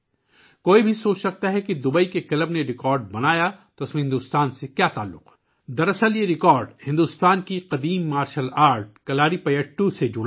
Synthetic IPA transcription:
koːibʱisoːt͡ʃsɐk̚t̪aɦɛkid̪ʊbəikekɐləbneɾɪkɔːɾɖ̚bɐnaːjat̪oɪsmẽɦɪ̃nd̪uːst̪aːnsekjaːt̪a̰ːlːʊ̰q | d̪ɐɾɐsəljeɾɪkɔːɾɖhɪ̃nd̪uːst̪aːnkiqɐd̪iːmːaːɾʃəlaːɾʈ̚kɐlaːɾipɐjəʈːũsed͡ʒʊɽ

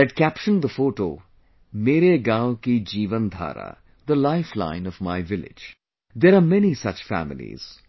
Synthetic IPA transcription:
ɛʈkæpʃə̃nd̪əfoːʈo̰ː | meːɾeɡãʊkid͡ʒiːʋə̃nd̪ʱa̰ːɾa̰ | d̪əlaɪflã̰ɪ̃nɔʋmaɪʋɪlɪ̰d͡ʒ | d̪eːɾaːmɛnisʌt͡ʃfæ̰mɪlḭz̥

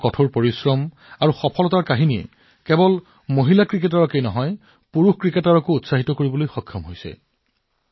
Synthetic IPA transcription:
kɔtʰoɹpoɹisɹɔm | aɹuxɔpʰɔlɔtaɹkaɦinijɛ̰ | kɛbɔl | moɦilakɹik̬etaɹɔkejnɔɦɔj | puɹuxkɹiketaɹɔkoutsaɦitɔkoɹibɔlojxɔkʰjɔmɦojsɛ̰

